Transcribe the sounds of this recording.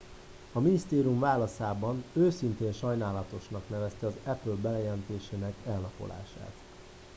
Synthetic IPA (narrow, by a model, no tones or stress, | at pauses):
ɒminist̪eːɾiumvaːlɒsaːbɒnøːsint̪eːnʃɒjnaːlɒt̪o̞ʃnɒkn̪ɛvɛst̪ɛɒzɛpølbɛlɛjɛlɛnt̪eːʃeːnɛkɛlnɒpo̞̰la̰ːʃa̰ːt̪